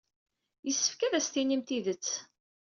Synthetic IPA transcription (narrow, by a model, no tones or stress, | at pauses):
jəsːə̥fkæðæst̪inimt̪iðət͡sː